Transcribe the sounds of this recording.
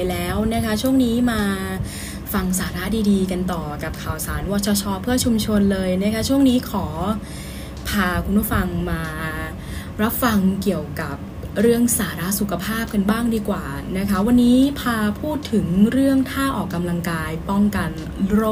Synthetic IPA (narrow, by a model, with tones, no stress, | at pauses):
lɛː˦˥wna˦˥kʰa˦˥t͡ɕʰu˥˩əŋniː˦˥maː˧ | fa˧ŋsaː˩˦ɾa˦˥diː˧diː˧ka˧nt̪ɔː˨˩ka˨˩p̚kʰaː˨˩wsaː˩˦nwɔ˦˥t̪̚t͡ɕʰɔ˧˥t͡ɕʰɔː˦˥pʰːɯ˥˩ɐt͡ɕʰu˧mt͡ɕʰo˧nlɤː˧jna˦˥kʰa˦˥t͡ɕʰu˥˩əŋniː˦˥kʰɔː˩˦ | pʰaː˧kʰu˧npʰuː˥˩fa˧ŋmaː˧ | ɾa˦˥p̚fa˧ŋki˨˩əwka˨˩p̚ | ɾɯ˥˩əŋsaː˩˦ɾa˦˥ʔsu˨˩kʰa˧pʰaː˥˩p̚ka˧nbaː˥˩ŋdiː˧kwaː˨˩na˦˥kʰa˦˥wa˧nːiː˦˥pʰaː˧pʰuː˥˩t̪ʰːɯ˨˩˦ŋɾɯ˥˩əŋt̪ʰaː˥˩ʔɔː˨˩kːa˧mla˧ŋkaː˧jpɔ˥˩ŋka˧n | ɾoː˥˩